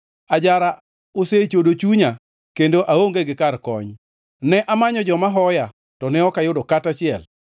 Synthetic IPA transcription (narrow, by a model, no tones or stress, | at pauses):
ad͡ʒaɾa | oset͡ʃodot͡ʃuɲa | kendoʔaoŋɡeɡɪkarkɔ̰ɲ | nɛʔamaɲɔd͡ʒɔmaɦɔja | tɔnɛɔkajʊdɔkatat͡ʃɪɛl